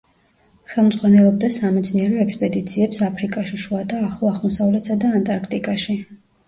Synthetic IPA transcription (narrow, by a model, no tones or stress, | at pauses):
χɛlˠmd̪zʁwanɛlˠɔb̚d̪asamɛd̪sniɛɾɔɛkspʼɛd̪it̪sʰiɛpsapʰɾikʼaʃiʃuad̪aːχlˠɔaʁmɔsavlɛt̪sad̪aːnt̪ʼaɾkʰt̪ʼikʼaʃi